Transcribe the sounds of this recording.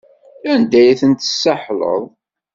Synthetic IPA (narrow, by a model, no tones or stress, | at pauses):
ænd̪æjæθənt̪ə̥sːəħlə̰ðˤ